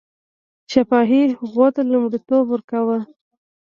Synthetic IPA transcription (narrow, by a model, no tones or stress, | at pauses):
ʃafɑɦiɣwot̪alumɽit̪obwəɾkawə